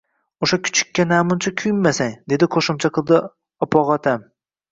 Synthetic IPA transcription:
oʃakʰʊ̥t͡ʃʰɪ̥kʲʰːanamʊnt͡ʃʰakʲʰʊjɪmːasaŋd̪e̞d̪ɪqʰoʃɪmt͡ʃʰaqʰɨlˠd̪ɪ | ɒpʰɒʁɒt̪ʰam

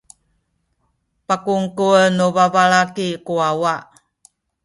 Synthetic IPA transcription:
pakuŋkunuvavaɭakikuawaʔ

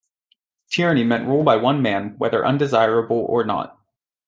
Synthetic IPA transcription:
tʰɪɹɨñimɛ̃nʔɹulˠbaɪwʌ̃nmæ̃nwɛðə˞ʔʌ̃ndɨzaɪɹəbl̩ˠə̰˞nə̰t̚

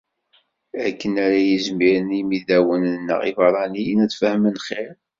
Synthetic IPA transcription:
ækːənæɾæjizmiɾənimiðæwənnːə̰ʁḭfɑɾˤɑninæt͡sːfəhmənχeɾ

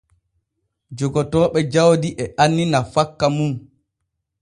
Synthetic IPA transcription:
d͡ʒɔɡɔtɔːɓɛd͡ʒawdiʔɛanːinafakːamum

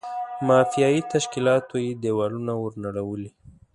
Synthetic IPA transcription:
mɑfijɑit̪aʃkilɑt̪ojed̪ewɑlunawəɾnaɽawəli

